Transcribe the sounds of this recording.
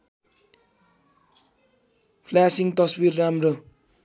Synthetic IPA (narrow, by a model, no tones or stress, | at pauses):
pʰlasiŋt̪ʌswirːamrʌ